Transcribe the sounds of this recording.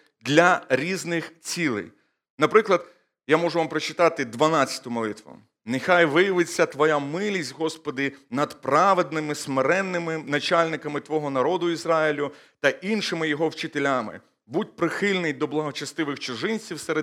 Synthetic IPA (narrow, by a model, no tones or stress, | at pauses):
d̪lʲɐɾʲiznɪxt͡sʲilˠɪ̰j | nɐpɾɪklˠɐd̪ | jamɔʒʊʋampɾɔt͡ʃɪ̥t̪ɑt̪ɪd̪ʋɐnɑt͡sʲjɐ̥t̪ʊmɔlˠɪt̪ʋʊ̰ | nɪxajʋɪjɐʋɪt͡sʲːɐt̪ʋɔjamɪlʲisʲtʲɦɔspɔd̪ɪnɐd̪pɾɑʋed̪̚nɪmɪsmeɾɛnːɪmɪnɐt͡ʃalʲnɪkɐmɪt̪ʋɔɦɔnɐɾɔd̪ʊizɾɑilʲʊt̪ɐʔinʃɪmɪjɔɦɔwt͡ʃɪt̪elʲamɪ̰ | budʲpɾɪxɪlʲnɪjd̪ɔblˠɐɦɔt͡ʃɐst̪ɪʋɪxt͡ʃʊʒɪnʲt͡sʲiwseɾe